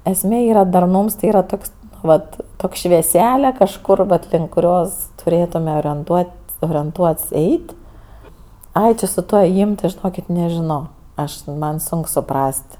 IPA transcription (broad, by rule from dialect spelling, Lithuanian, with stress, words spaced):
ɛsʲˈmʲeː ˈiːrɐ dɐrˈnuːms tʲɪ ˈiːrɐ ˈtoːks ˈʋɐt ˈtoːkʲ ʃʲʋʲiɛˈsʲæːlʲɛ kɐʃˈkʊr ʋɐt lʲɪŋk kʊˈrʲoːs tʊˈrʲeːtʊmʲɛ oːrʲiɛnˈtuɔtʲsʲ oːrʲiɛnˈtuɔtʲsʲ ˈɛɪtʲ ˈɐɪ ˈt͡ʃʲɪ sʊ ˈtuɔ eːˈjiːm tʲɪ ʒʲɪˈnoːkʲɪt nʲɛʒʲɪˈnoː ˈɐʃ ˈmɐn ˈsʊŋk sʊˈprɐsʲtʲ